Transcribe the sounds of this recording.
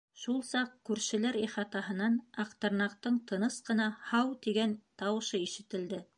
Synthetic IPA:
ʃulˠsɑqkʉɾʃɘ̆læɾiχɑt̪ɑɦɤ̆nɑnɑqt̪ɤ̆ɾnɑqt̪ɤɴt̪ɤ̆nɤsqɤ̆nɑhɑwt̪iɡænt̪ɑwɤ̆ʃɤiʃɘ̆t̪ɘ̆ld̪ɘ

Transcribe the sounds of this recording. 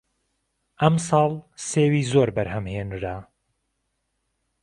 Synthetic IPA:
ʔɐmsɑːlˠseːwiːzoɾbɐɾhɐmheːnɾa

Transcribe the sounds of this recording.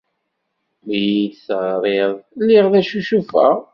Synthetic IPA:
mjid̪θʁɾˤeðˤlːɪʁðæʃuʃufæ̰

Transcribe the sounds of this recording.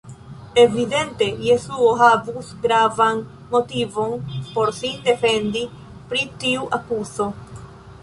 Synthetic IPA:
eβiðẽnt̪ejesuoɦaβusɡɾavaŋ | mot̪ivoŋpoɾsind̪efend̪i | pɾit̪iuʔakuso

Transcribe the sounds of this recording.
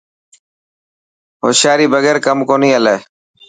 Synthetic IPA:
ɦo̰ːʃjaːɾiːbəɡeːɾkəmkoːniːəleː

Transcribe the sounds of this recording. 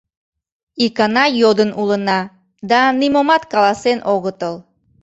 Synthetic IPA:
ikɑnɑjod̪ənulənɑ | d̪ɑnimomɑt̪kɑlˠɑsenʔoɣət̪əlˠ

